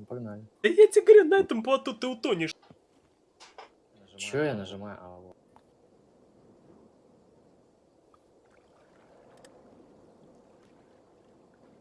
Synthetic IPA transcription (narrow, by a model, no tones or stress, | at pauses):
pɐɡnalʲɪɐjatʲɪɡəʋɾʲɛnɐɛt̪əmplˠɐt̪ut̪ɨʊt̪onʲɪʂ | t͡ɕojanəʐɨmajʊ̰ʔɐlo